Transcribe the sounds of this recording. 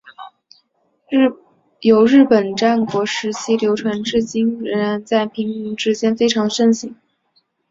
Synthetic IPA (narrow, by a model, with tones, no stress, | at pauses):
jo˨˩ʊɻɻ̩˥˩pə˨˩nʈ͡ʂa˥˩nkwɔ˧˥ʂɻ̩˧˥t͡ɕʰi˥ljo˧˥ʊʈ͡ʂʰwa˧˥nʈ͡ʂɻ̩˥˩t͡ɕi˥nɻə˧˥nɻa˧˥nt͡sa˥˩ɪpʰi˧˥ŋi˧˥ŋʈ͡ʂɻ̩˥t͡ɕjɛ˥nfe˥ɪʈ͡ʂʰɑ˧˥ŋʂə˥˩ŋɕi˧˩˦ŋ